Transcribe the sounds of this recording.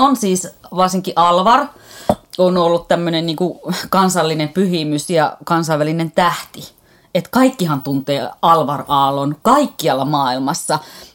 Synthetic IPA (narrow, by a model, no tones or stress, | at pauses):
onsiːsʋɑrsiŋkiʔɑlʋɑr | onolːut̪t̪æmːønenniːŋkukɑnsɑlːinempyhimysjɑ̰kɑnsɑiʋːælinent̪æht̪i | et̪kɑikːihɑnt̪unt̪eːɑlʋɑrɑːlonkɑikːiɑlːɑmɑːilmɑsːɑ